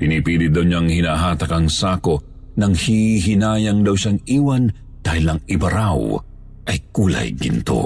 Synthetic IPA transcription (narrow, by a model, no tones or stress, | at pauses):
pɪnipiːlɪd̪ɐwɲaŋhɪnaːɦaːt̪ɐkɐŋsaːko̞ | nɐŋhiɦɪnaːjɐŋd̪ɐwʃaŋiːwɐn | d̪̥aːhɪlɐŋɪbɐɾaw | ʔɐjkuːlɐ̰jɡɪ̰nt̪o̞̰